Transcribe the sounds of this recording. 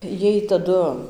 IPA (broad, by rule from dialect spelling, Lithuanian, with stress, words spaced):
ˈjiɛj tɐˈdʊ